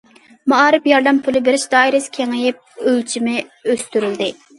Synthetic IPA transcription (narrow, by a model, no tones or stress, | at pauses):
mɑɑːɾɪpjɑɾd̪ɛmpʰulˠɪbɪɾɪʃd̪ɑːiɾɪskʲʰeŋɪjɪp̚ølt͡ʃʰimɪøst̪yɾyld̪ɪ